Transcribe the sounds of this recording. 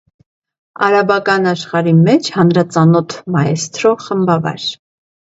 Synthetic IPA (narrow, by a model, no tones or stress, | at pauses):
ɑɾɑbɑkɑnɑʃχɑɾimɛt͡ʃʰhɑnɾɑt͡sɑnɔt̪ʰmɑjɛst̪ʰɾɔʁχəmbɑvɑ̰ɾ